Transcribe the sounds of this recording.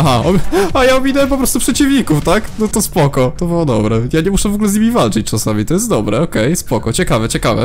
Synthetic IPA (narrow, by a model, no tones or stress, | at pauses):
aɦaɔajaɔbʲinɛp̬ɔpɾɔst̪upʂɛt͡ɕivɲikuft̪aknɔt̪ɔspɔkɔt̪ɔbɨwɔd̪ɔbɾɛjaɲɛmuʂɛvɔɡulɛzɲimʲivalt͡ʂɘt͡ɕt͡ʂasamʲit̪ɔjɛst̪d̪ɔbɾɛɔkɛjspɔkɔt͡ɕɛkavɛt͡ɕɛkavɛ̰